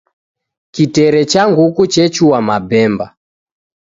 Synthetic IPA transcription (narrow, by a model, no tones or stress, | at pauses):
kitɛɾɛt͡ʃaŋɡukut͡ʃɛt͡ʃuwamabɛmba